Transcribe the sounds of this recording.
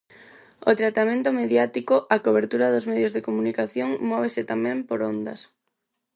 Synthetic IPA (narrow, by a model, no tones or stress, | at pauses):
ot̪ɾat̪amẽnt̪omeðjat̪ikoʔakoβeɾt̪uɾɐðozmɛðjozðekomunikaθjoŋmɔβ̞esɪt̪amɛ̃mpoɾond̪ɐ̰s